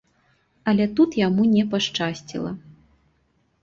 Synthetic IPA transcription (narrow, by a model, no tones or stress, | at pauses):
ɐlʲɛt̪ut̪jamunʲɛpaʂt͡ʂasʲt͡sʲḭlˠɐ̰